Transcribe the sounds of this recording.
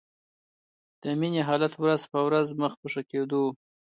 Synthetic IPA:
d̪̥əmineɦɑlat̪wɾazpəwɾazməxpəʂaked̪o

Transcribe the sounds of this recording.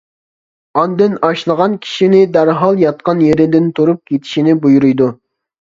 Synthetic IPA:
ɑnd̪ɨnɑʃlˠəʁɑnkʲʰi̥ʃinɪd̪æɾɦɑlˠjɑt̪̚qɑnjeɾɪd̪ɪnt̪ʰuɾup̚kʲʰet̪ʰi̥ʃinɪbujuɾujd̪u

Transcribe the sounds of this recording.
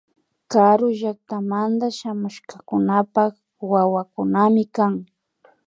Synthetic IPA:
kaɾʊʒak̚t̪amant̪aʃamʊʃkakʊnapak | wawakʊnamɪkaŋ

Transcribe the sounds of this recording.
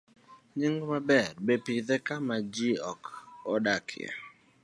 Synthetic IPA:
ɲiŋɡmabɛrbepiðɛkamad͡ʒiɔkɔdakʰɪɛ̰

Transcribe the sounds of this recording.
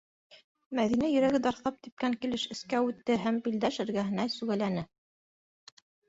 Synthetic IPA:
mæðinæjɵ̆ɾæɡɘd̪ɑɾθɑp̚t̪ip̚kæŋkilɘʃɘ̆skæʉt̪ːɘɦæmbild̪æʃɘ̆ɾɡæɦɘ̆næsʉɣælænɘ

